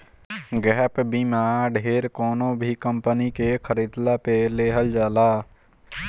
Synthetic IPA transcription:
ɡɛːpbimaːɖʱeːɾkɔːnõbʱikə̃mpənikekʰəɾid̪lapeleːɦəld͡ʒaːlaː

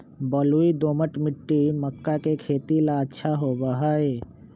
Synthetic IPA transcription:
bɔluid̪oːməʈmɪʈːiməkːakekʰeːt̪ilaətːʃʰaɦobaɦae

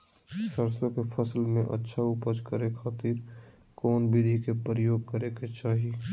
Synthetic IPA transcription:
səɾsõkefʰəslmẽʔə̰tːʃʰaʊpəd͡ʒkəɾekʰaːt̪iːɾ | kɔːnbʱid̪ʱikepəɾəjoːɡ̚kəɾeket͡ʃaːɦi

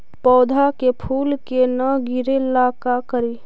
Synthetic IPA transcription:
pɔːd̪ʱakepʰuːlkenəɡɪɾelakakəɾiː

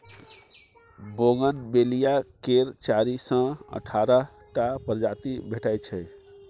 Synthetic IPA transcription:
boɡənbelijakeɾt͡ʃaɾisə̃ə̰ʈʰaɾə | ʈapəɾd͡ʒat̪ibʱeʈajt͡ʃʰɛj

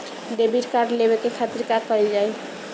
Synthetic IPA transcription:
ɖebiɾkaɾɖlebekekʰat̪ɾikakʌld͡ʒaj

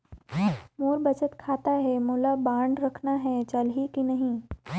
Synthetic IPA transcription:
muɾbət͡sət̪kʰat̪aɦemulabaɳɖɾəkʰnaɦẽt͡ɕalɦikinəɦi

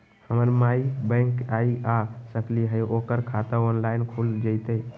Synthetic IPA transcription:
həməɾmaibə̃ŋkaiasəkliɦəjokəɾkʰat̪əɔnlaɪnkʰuld͡ʒət̪əj

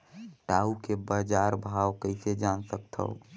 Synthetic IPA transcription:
ʈaukebad͡ʒaɾbʱawkəɪsed͡ʒansək̚t̪ʰə̰ʊ

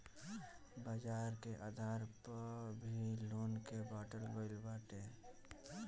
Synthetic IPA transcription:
baːd͡ʒaːɾkeʔaːd̪ʱaːɾpəbʱiloːnkebaːʈəlɡoɪlbaːʈe

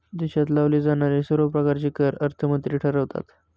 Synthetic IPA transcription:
d̪iɕat̪laʋlid͡zanaɾesəɾopɾəkaɾt͡ɕiːkəɾəɾt̪ʰəmənt̪ɾiʈʰəɾəʋt̪a̰t̪

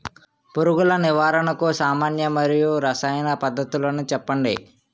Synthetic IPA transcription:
puɾuɡulɐniʋaːɾɐɳɐkusaːmaːnjɐmɐɾijuɾɐsaːjɐnɐpɐd̪ːɐt̪ulɐnut͡ʃɛpːɐɳɖḭ

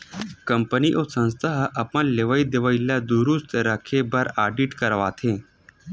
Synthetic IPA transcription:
kəmpəniːʔosə̃w̃st̪ʰəɦəʔəpənleʋaiːd̪eʋailjad̪uɾust̪ɾəkʰebəɾaɖiːʈkəɾʋat̪ʰe

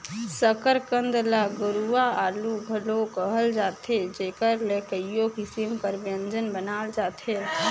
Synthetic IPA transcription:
səkəɾkənd̪laɡəɾuaaluɡʱəlokəɦəld͡ʒaːt̪ʰed͡ʒekəɾlekəijokisimkəɾbjə̃nd͡ʒənbənald͡ʒat̪ʰe

